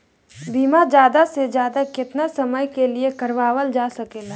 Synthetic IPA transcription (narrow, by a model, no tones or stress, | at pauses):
biːmad͡ʒjaːd̪ased͡ʒjaːd̪akɪt̪nasɐməjkeliekəɾʋaːwəld͡ʒaːsɐkeːla